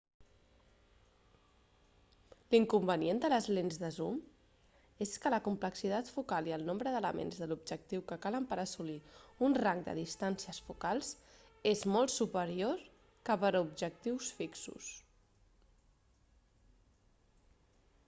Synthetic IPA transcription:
liŋkumbəniend̪ələzlenzðəzum | eskələkumpləksit̪at̪fukalˠiəlˠnombɾəðələmḛnzðəlub̚ʒək̚t̪iwkəkaləmpəɾəsuliunraŋɡd̪ə̰ðist̪ansiəsfukalˠz | ezmɔlˠtsupəɾioɾ | kəpəɾubʒək̚t̪iwsfiksṵs

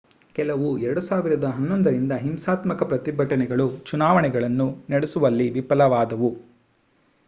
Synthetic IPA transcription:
kɛlɐʋuɛɾɐɽusaːʋiɾɐd̪ɐɦɐnːond̪ɐɾind̪ɐɦimsaːt̪mɐkɐpɾɐt̪ibʱɐʈɐnɛɡɐɭut͡ʃunaːʋɐɳɛɡɐɭɐnːunɐɽesuʋɐlːiʋipɐlɐʋaːd̪ɐʋu

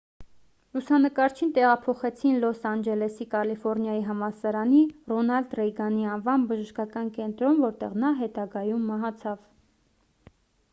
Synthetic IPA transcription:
lusɑnəkɑɾt͡ʃʰint̪ɛʁɑpʰɔχɛt͡sʰinlɔsɑnd͡ʒɛlɛsikɑlifɔɾnjɑjiɦɑmɑsɑɾɑnirɔnɑld̪rɛjɡɑniɑnvɑnbəʒəʃkɑkɑnkɛnt̪ɾɔnvɔɾt̪ɛ̰ʁnɑɦɛt̪ɑɡɑjumːɑɦɑt͡sʰɑv

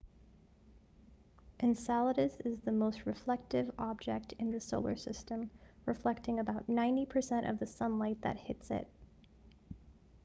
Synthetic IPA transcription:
ʔɨ̃nsælˠəɾɨsɨzðɨmoʊst̚ɹɨflɛk̚tɨvɑb̚d͡ʒɛk̚tʰɨ̃nðɨsoʊlˠə̰˞sɪstə̃mɹɨflɛk̚tɪ̃ŋɨbaʊtⁿnãɪ̃ntipʰə˞sɛ̃ɾ̃ʔʌ̰vðɨsʌ̃nlaɪt̪̚ðɨ̰t̚hɪtsɪ̰t̚

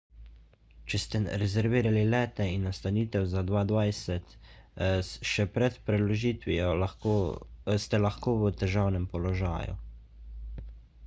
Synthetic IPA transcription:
t͡ʃɛst̪ɛɾɛzɛɾʋiːɾalilɛːt̪ɛinːast̪aniːt̪ɛwzad̪ʋaːd̪ʋajsɛt̪ | ʃɛpɾɛt̪pɾɛd̪lɔʒiːt̪ʋiɔ | st̪ɛlaxkoːʋət̪ɛʒaːwnɛmpɔlɔʒa̰ːjṵ

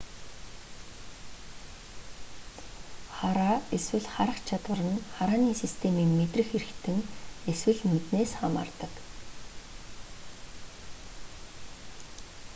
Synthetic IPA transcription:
χaɾaːeswɘ̆ɮχaɾə̆χt͡ɕʰat̪wə̆rə̆nχaɾaːniːsist̪ʰemiːŋmet̪rɘ̆xeɾɘ̆kt̪ʰɘ̆ŋeswɘ̆ɮnut̪neːsχama̰ːrt̪ə̆k

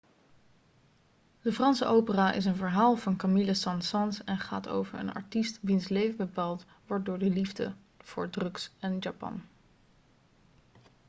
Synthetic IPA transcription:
d̥əfrɑnsəʔowpəraːʔɪ̰s̬ənvəɹɦaːlˠvɑnkamiləsɑnsɑnsɛnχa̰ːto̰wvəɹə̰nɑ̰ɹtistʋinslejvəbəpaːlˠt | ʋɔɹt̚dʊːɹdəlivdə̰ | v̥ʊ̰ːɹdrɵksɛnjapɑ̰n

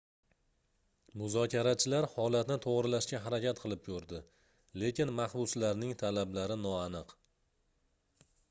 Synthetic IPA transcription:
mʊzɒkʲʰaɾat͡ʃʰɪlaɾhɒlat̪nɪt̪ʰoʁɾɪlaʃkʲaɦaɾakʲʰat̪qʰɨlˠɪp̚kʰɵɾd̪ɪ | le̞kʲɪnmaχbʊslaɾnɪŋt̪ʰalablaɾɪnɒanɨq

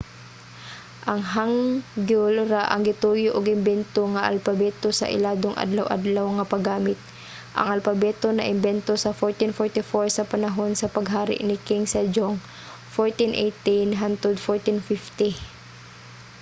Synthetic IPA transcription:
ʔɐŋɦaŋɡulɾaʔɐ̰ŋɡɪt̪uːjoʔoɡɪmbɛnt̪oŋɐʔɐ̰lpɐbɛːt̪osɐ̰ʔɪ̰laːd̪oŋʔa̰d̪lɐwʔa̰d̪lawŋɐpɐɡaːmɪt̪̚ | ʔɐ̰ŋɐlpɐbɛːt̪onɐʔɪmbɛnt̪osɐfoɹt̪ɪnfoɹt̪ɪfoɹsɐpɐnɐɦonsɐpɐɡɦaːɾɪ̰ʔnɪkɪŋsɐd͡ʒoŋ | foɹt̪ɪnʔɛjt̪ɪnɦant̪ɛd̪foɹt̪ɪnfɪft̪ɪ

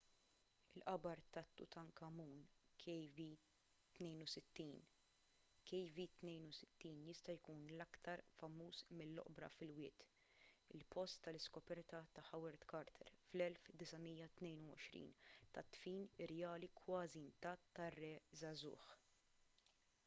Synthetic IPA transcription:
ɪlʔɐbɐɾt̪ɐt̪ːʊ̰t̪ɐŋkɐmuːnkɛvi | t̪nɛjnusɪt̪ːiːn | kʰɛjvit̪nɛjnusɪ̥t̪ːiːnjɪst̪ɐjkuːnlɐkt̪ɐɾfɐmːuːsmɪlːɔ̰ʔbɾɐ̰fɪlwɪːt̪ | ɪlpʰɔst̪ːɐlɪskɔpɛɾt̪ɐt̪ɐħɐwɛɾd̪kɐɾt̪ʰɛ̰ɾflɛlfd̪ɪsɐmijːɐt̪nɛjnuwɔʃɾḭːnt̪ɐt̪ːfiːnɪɾɛjɐːlikwɐːzint̪ɐːt̪ːɐrːɛzɐzʊ̰ːħ

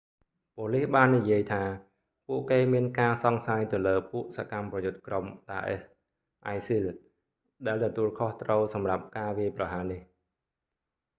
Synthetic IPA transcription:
poːlihɓaːnːijiəjt̪ʰaː | puəʔkeːmiənkaːsɑŋsaːjt̪ɨwləːpuəʔsakamprɑjʊt̪̚kromɗaːʔɛ̰s | ʔajsil | ɗaɛlt̪ɔt̪uəlkʰoht̪rəwsɑmrap̚kaːʋiəjprɑɦaːnih

